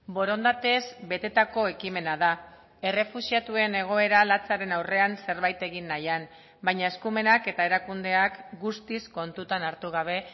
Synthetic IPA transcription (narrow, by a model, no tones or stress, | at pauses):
bo̞ɾo̞nd̪at̪e̞zbe̞t̪e̞t̪ako̞e̞kime̞naða | e̞re̞fusiat̪ue̞ne̞ɣ̞o̞e̞ɾalat͡saɾe̞nawre̞anse̞ɾβajt̪e̞ɣinːajan | bajɲae̞skume̞nake̞t̪ae̞ɾakund̪e̞akɡust̪isko̞nt̪ut̪anaɾt̪uɣ̞aβ̞e̞